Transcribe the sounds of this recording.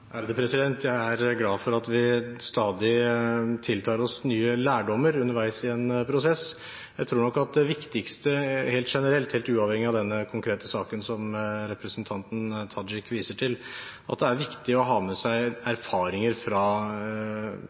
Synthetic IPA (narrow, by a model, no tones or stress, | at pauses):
ʔæɾd̪ɛpʰɾɛsɪd̪ɛnt̪ʰjæɪæɾɡlɑːʋfɔɾɑt̪ʋɪst̪ɑːd̪ɪt̪ʰɪlt̪ʰɑːɾɔsnyːəlæːɖɔmːəɾʉnːəɾʋæɪsɪɛnpʰɾʊsɛs | jæɪt̪ʰɾuːɳɔkːɑt̪̚d̪ɛʋɪkt̪ɪkst̪əheːlt̪ʂɛnəɾɛlt̪heːlt̪ʉːɑʋhɛŋːɪɑʋd̪ɛnːəkʰʊŋkʰɾeːt̪əsɑːkənsɔmɾɛpɾəsnt̪ʰɑnt̪n̩t̪ʰɑd͡ʒɪkːʋiːsəʈʰɪlʔɑ̰t̪̚d̪ɛæɾʋɪkt̪ɪɔɦɑːmɛsæɪæɾfɑːɾɪŋəɾfɾɑ